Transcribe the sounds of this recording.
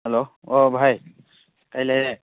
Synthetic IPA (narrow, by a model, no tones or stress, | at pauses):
ɦɛlo | obʱaj | kajlaɦiɛ